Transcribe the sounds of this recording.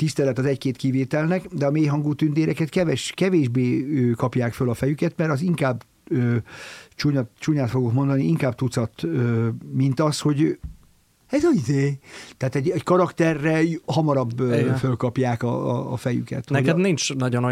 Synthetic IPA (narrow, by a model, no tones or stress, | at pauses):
t̪ist̪ɛlɛt̪ɒzɛckeːt̪kiveːt̪ɛlnɛkd̪ɛɒmeːjɦɒŋɡuːt̪ynd̪eːɾɛkɛt̪kɛvɛʃkɛveːʒbeːøkɒpjaːkfølɒfɛjykɛt̪mɛɾɒziŋkaːb | øt͡ʃuɲt͡ʃuːɲaːt̪fo̞ɡokmo̞nd̪ɒniiŋkaːb̚t̪ut̪sɒt̪øːmint̪ɒsho̞ɟ | ɛzɒid̪eːt̪ɛaːt̪ɛɟɛɟkɒɾɒkt̪ɛrːɛhɒmɒɾɒbfølkɒpjaːkɒ̰ːfɛjy̰kɛ̰t̪hnɛɛd̪nint͡ʃnɒɟono